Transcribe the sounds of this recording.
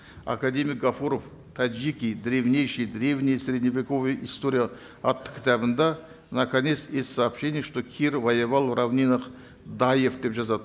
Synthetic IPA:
a̰kad̪ʲe̞mʲɪjk̚ɡafuɾof | t̪ʰad͡ʒikʲijd̪ɾʲe̞vnʲe̞jʃɨjd̪ɾʲe̞vnʲɪjəsʲɾʲe̞d̪ʲnʲivʲiko̞vɨjəʔist̪o̞ɾʲijə | ɑt̪ːə̥χkʲɪ̥t̪æbɪnd̪ɑ | nɐkanʲe̞t̪st̪esʲsaːpʃe̞nʲɪjəʂt̪o̞kʲʰirvɐjɪvɑlˠravnʲinəq | d̪ajefd̪e̞pʒɑzɑd̪

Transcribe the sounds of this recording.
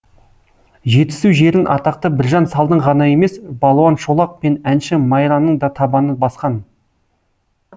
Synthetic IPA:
ʒe̞t̪ɪ̥suwʒe̞ɾɪnʔɑ̰t̪ɑq̚t̪əbɪɾʒɑnsɑlˠd̪əɴʁɑnɑje̞me̞sbɑlˠwɑnʃo̞lˠɑq̚pe̞nænʃɪmɑjɾɑnːəɴd̪ɑt̪ʰɑbɑnəbɑsqɑn

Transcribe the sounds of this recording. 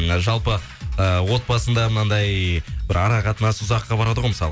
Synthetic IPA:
ʒɑlˠpə | əwo̞t̪̚bɑsənd̪ɑmənɑnd̪ɑjbɪɾɑɾɑqɑt̪ənɑsʊzɑqːɑbɑɾɑd̪əʁojməsɑlˠ

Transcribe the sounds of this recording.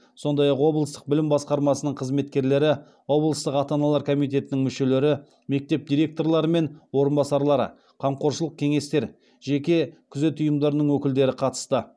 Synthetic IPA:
so̞nd̪ɑjɑqwo̞blˠəst̪əq̚bɪlɪmbɑsqɑɾmɑsənəɴqʰəzme̞t̪kʲe̞ɾle̞ɾɪ | wo̞blˠəst̪əqɑt̪ɑnɑlˠɑɾkʰo̞mit̪̬ʲe̞t̪ɪnɪŋmʏʃe̞le̞ɾɪ | me̞k̚t̪e̞p̚d̪ijɾe̞k̚t̪o̞rlˠɑɾəme̞nwo̞ɾənbɑsɑɾlˠɑɾə̰ | qʰɑmqʰo̞ɾʃəlˠəq̚kʲʰe̞ŋe̞st̪e̞ɾ | ʒekʲe̞kʲʰʏze̞t̪ʊjəmd̪ɑɾənəɴwɵkʲɪld̪e̞ɾɪqʰɑt̪ə̥st̪ə

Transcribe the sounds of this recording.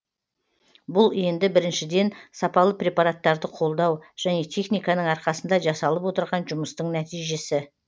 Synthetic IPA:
bʊlˠe̞nd̪ɪbɪɾɪnʃɪd̪e̞nsɑpɑlˠəpɾʲe̞pɑɾat̪ːɑɾd̪əqʰo̞lˠd̪ɑwʒ̥æne̞t̪ʰe̞χnijkɑnəɴɑɾqɑsənd̪ɑʒɑsɑlˠəpwo̞t̪əɾʁɑnʒʊməst̪əɴnæt̪ijʒe̞sɪ

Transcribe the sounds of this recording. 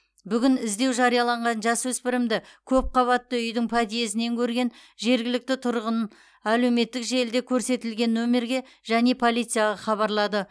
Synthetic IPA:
bʏɡʲɪnɪzd̪e̞wʒɑɾijɑlˠɑɴʁɑnʒɑswɵspɪɾɪmd̪ɪkʲʰɵp̚qʰɑβɑt̪ːəʏjd̪ɪŋpʰɑd̪ije̞s̬ɪne̞ŋkʲʰɵɾɡʲe̞nʒe̞ɾɡʲɪlɪk̚t̪ɪt̪ʰʊɾʁən | æle̞wme̞t̪ːɪkʒe̞ld̪e̞kʲʰɵɾse̞t̪ɪlɡʲe̞nːɵme̞ɾɡʲe̞ | ʒæne̞pʰo̞lʲˠijt̪sɨjɑʁɑχɑβɑɾlˠɑd̪ə

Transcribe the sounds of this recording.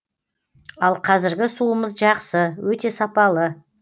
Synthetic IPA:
ɑlˠqʰɑzɪɾɡʲɪsuəməzʒɑqsəwɵt̪e̞sɑpɑlˠə

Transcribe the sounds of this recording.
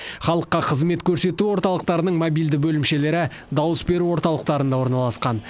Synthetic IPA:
χɑlˠəqːɑqʰəzme̞t̪kʲʰɵɾse̞t̪uwo̞ɾt̪ɑlˠəq̚t̪ɑɾənəɴmobijld̪ɪbɵlɪmʃe̞le̞ɾɪ | d̪ɑwəsbe̞ɾuwo̞ɾt̪ɑlˠəqt̪ɑɾənd̪ɑwo̞ɾnɑlˠɑsqɑn

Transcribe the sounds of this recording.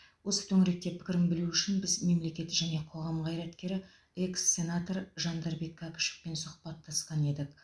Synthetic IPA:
wʔo̞sə̥t̪ʰɵŋɪɾe̞k̚t̪e̞pʰɪ̥kʲɪɾɪŋbɪluʏʃɪnbɪzme̞mle̞kʲe̞t̪ʒæne̞qʰo̞ʁɑmʁɑjɾɑt̪kʲe̞ɾɪ | e̞ksːe̞nat̪o̞ɾʒɑnd̪ɑɾbe̞kʰːɑkə̥ʃɪ̥fpe̞nsʊχpɑt̪ʰːɑsqɑne̞d̪ɪk̚

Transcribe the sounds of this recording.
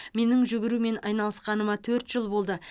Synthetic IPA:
me̞nɪŋʒʏɡʲɪɾume̞nɑjnɑlˠəsqɑnəmɑt̪ʰɵɾt̪ʒ̥əlˠbo̞lˠd̪ə

